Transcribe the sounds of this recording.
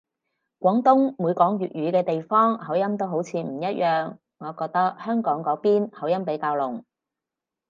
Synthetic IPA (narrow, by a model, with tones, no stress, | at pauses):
kʷɔː˨˥ŋt̪ʊ˥ŋmu˨˧jkɔː˨˥ŋjyː˨t̚ɥyː˨˧kɛː˧t̪e˨jfɔː˥ŋhɐ˨˥wjɐ˥mt̪o˥wɦo˨˥wt͡sʰiː˨˧m̩˨˩jɐ˥t̚jœː˨ŋː | ɔː˨˧kɔː˧k̚t̪ɐ˥k̚hœː˥ŋkɔː˨˥ŋkɔː˨˥piː˥nhɐ˨˥wjɐ˥mpe˨˥jkaː˧wlʊ˨˩ŋ